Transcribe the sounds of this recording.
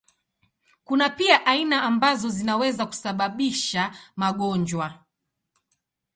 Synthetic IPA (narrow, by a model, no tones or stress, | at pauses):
kunapiaʔainaːmbazɔzinawɛzaku̥saɓaɓiʃamaɠɔɲd͡ʒwa